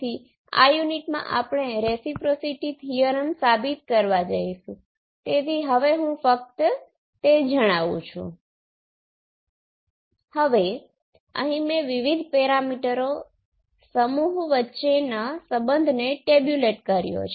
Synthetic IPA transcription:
i | a̰juniʈmã̰ʔapɳ̃eɾesipɾosiʈit̪ʰijəɾənsabit̪̚kəɾʋad͡ʒaiʃũ | t̪et̪ʰiɦəʋeɦũfək̚t̪ | t̪ed͡ʒəɽ̃aʋṵ̃t͡ʃʰṵ̃ | həʋe | ə̰ɦĩmẽʋiʋid̪ʱpeɾamiʈəɾo | səmuɦʋətːʃenasəbənd̪ʱneʈebjuleʈkəɾjo̰t͡ʃʰ

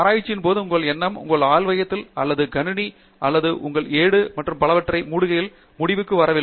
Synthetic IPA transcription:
ɐɾaːjɪt͡ʃːɪnpoːðɯʊŋɡɐɭɛnːɐmʊ̰ŋɡɐɭaːlʋɐjɐt̪ːɪlɐlːɐðɯɡɐnɯɳi | ʔɐlːɐðɯʔʊŋɡɐɭeːɽɯmɐʈrɯmpɐɭɐʋɐʈːrɐɪmuːɽɯɣɐjɪl | mʊɽɪʋɯkːɯʋɐɾɐʋɪ

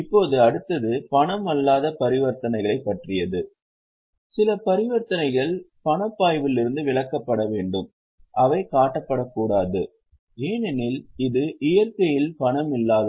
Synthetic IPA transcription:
ɪpːoːðɯɐɽɯt̪ːɐðɯpɐɳɐmɐlːaːðɐpɐɾɪʋɐɾt̪ɐnɐɪɣɐɭɐɪpːɐʈrɪjɐðɯ | sɪlɐpɐɾɪʋɐɾt̪ɐnɐɪɣɐɭpɐɳɐpːaːjʋɪlɪɾɯnd̪ɯʋɪɭɐkːɐpːɐɽɐʋeːɳɖɯm | ʔɐʋɐɪkaːʈːɐpːɐɽɐkːuːɽaːðɯ | eːnɛnɪlɪðɯʔɪjɐɾkɐjɪlpɐɳɐmɪlːaːðɐ

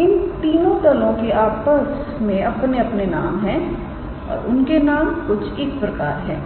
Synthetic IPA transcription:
ɪnt̪iːnõt̪ɐlõkeʔaːpəs | mẽɐpneɐpnenaːmɦɛ̃ | ɔ̰ːɾʊnkenaːmkʊt͡ʃʰeːk̚pɾɐkaːɾɦɛ̰̃ː

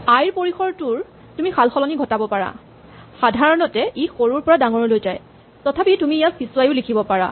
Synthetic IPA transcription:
ajɹpoɹixɔɹtʊɹ | tumixalxɔlɔniɡʱɔtabɔpaɹa̰ | xadʱaɹɔnɔtɛʔixoɹuɹpɔɹadaŋɔɹɔlojzaj | tɔtʰapitumiːjafisuwajʊlikʰibɔpaɹa̰

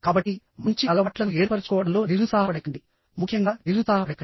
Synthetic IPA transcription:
kaːbɐʈːi | mɐɲt͡ʃiɐlɐɐʈlɐnueːɾpɐɾɐt͡ʃukɔːʋɐɽɐmlo̞ːniɾusaːɦɐpɐɽɐkːɐɳɖi | mukʰːjɐŋɡaːniɾusaːɦɐɽɐkːɐ

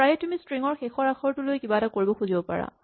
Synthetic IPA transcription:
pɹajɛtumistɹiŋɔɹxexɔɹaxʰɔɹtʊlojkibatakoɹibɔxuzibɔpa̰ɹa̰

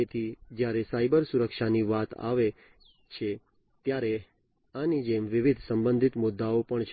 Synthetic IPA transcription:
et̪ʰid͡ʒjaɾesaibəɾsuɾəkʃaniʋat̪a̰ʋe | t͡ʃʰe | t̪jaɾe | anid͡ʒemʋɪʋid̪ʱsəmbənd̪ʱit̪mʊd̪ːaopəɳt͡ʃʰ

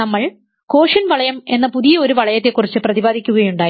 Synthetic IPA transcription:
nɐmːɐɭ | ko̞ːʂɐnʋɐɭɐjɐme̞nːɐpuðijɐo̞ɾuʋɐɭɐjɐt̪ːekːurit͡ɕːɨprɐðibaːd̪ʱikʲːuɣɐjuɳɖaː

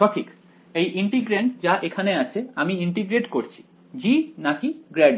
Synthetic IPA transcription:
ʃɔʈʰik | ejʔiɳʈiɡɾeɳʈd͡ʑaʔekʰaneat͡ɕʰeamiiɳʈiɡɾeʈkoɾt͡ɕʰi̥ | d͡ʑinakiɡɾɛɖ

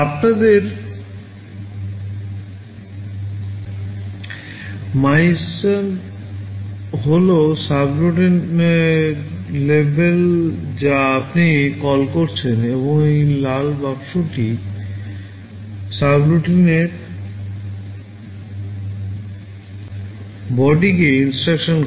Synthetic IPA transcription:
apnad̪eɾ | majsan | ɦolosabluʈin | lebʱeld͡ʑaapnikɔlkoɾt͡ɕʰeneboŋejlalbabʃoʈi | sabluʈineɾ | bɔɖikeinsʈɾakʃon

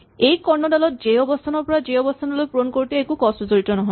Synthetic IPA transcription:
ejkɔɹnɔdalɔt̚d͡ʒeɔbɔst̪ʰanɔɹpɔɹad͡ʒeɔbɔst̪ʰanɔlojpɹonkoɹit̪ɛːkukɔszoɹitɔnɔɦɔj

